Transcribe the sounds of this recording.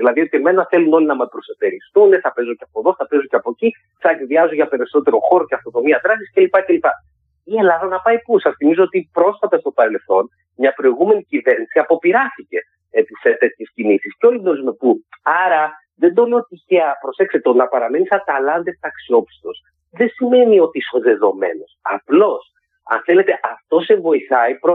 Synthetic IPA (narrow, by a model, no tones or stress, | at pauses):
ðilɐðio̞t̪ieme̞nɐθe̞luno̞linɐmɐpɾo̞sost̪e̞ɾist̪uneθɐpe̞zoceɐpo̞ðo̞θɐpe̞zoceɐpo̞ci | θɐekðiɐzoʝɐpe̞ɾiso̞t̪e̞ɾo̞xo̞ɾo̞ceɐft̪ono̞miɐt̪ɾɐsisce̞lipɐce̞lipɐ | ie̞lɐðɐnɐpɐipusɐsθimizo̞ot̪ipɾo̞sfɐt̪ɐst̪o̞pɐɾe̞lθo̞n | mɲɐpɾo̞iɣume̞nicive̞ɾnisiɐpo̞piɾɐst̪ice̞ | episet̪e̞t̪çescinisisceo̞lid̪ozmepuɐɾɐ | ðe̞nd̪oleot̪içeɐpɾose̞kset̪o̞nɐpɐɾɐme̞nisɐt̪ɐlɐnd̪eft̪ɐksio̞pi̥st̪o̞s | ðesime̞nio̞t̪iiso̞ðe̞ðo̞me̞̰no̞sɐplo̞s | ɐ̰nθe̞le̞t̪e̞ʔɐft̪o̞se̞ɱvo̞iθɐipɾo